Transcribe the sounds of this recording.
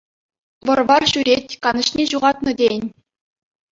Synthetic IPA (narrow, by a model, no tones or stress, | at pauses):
ʋɤ̆rʋɑrɕyɾʲetʲkɑnɤ̆ɕnʲeʑuʁɑt̪nɤ̆dʲenʲ